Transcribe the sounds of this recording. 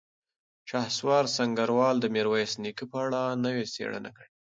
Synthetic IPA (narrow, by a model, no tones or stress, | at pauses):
ʃɑhswɑɾsaŋɡaɾwɑld̪əmeɾwajsnikipəaɽanəwesḛɽə̰na̰kəɽe